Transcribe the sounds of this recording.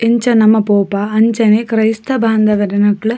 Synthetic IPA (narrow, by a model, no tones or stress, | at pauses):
eɲt͡ʃɐnɐmɐpoːpaɐɲt͡ʃɐnekrɐjst̪ɐbʱaːnd̪ɐʋɐɾɐnɐkːɐɭ